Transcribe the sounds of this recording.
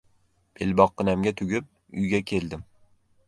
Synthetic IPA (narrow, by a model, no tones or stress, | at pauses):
bʰelbɒqʰːɨnamɡʲat̪ʰʊɡʲɪp̚ | ʊ̰jɡʲakʲʰe̞ld̪ɪm